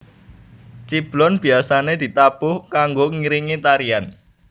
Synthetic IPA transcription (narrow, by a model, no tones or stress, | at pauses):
t͡ʃib̥lɔnb̥i̤asaned̪̥i̤t̪apʊhkaŋɡoŋiɾiŋit̪aɾian